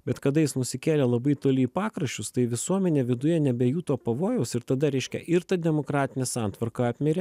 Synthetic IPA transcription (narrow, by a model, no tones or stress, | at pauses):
bʲɛt̪kɐd̪ɐjɪsnʊsʲɪkʲeːlʲeːlˠɐbɐɪt̪oːlʲɪipɑːkɾɐʃʲt͡ʃʲʊst̪ɐɪʋʲɪsuɔmʲɛnʲeːʋʲɪd̪ʊjɛnʲɛbʲɛjuːt̪oːpɐʋoːjɛʊsɪɾt̪ɐd̪ɐɾʲɛɪʃʲkʲɛ̰ʔɪɾt̪ɐd̪ʲɛmokɾɑːt̪ʲɪnʲeːsɑnt̪ʋɐɾkɐɑːpʲmʲɛɾʲɛ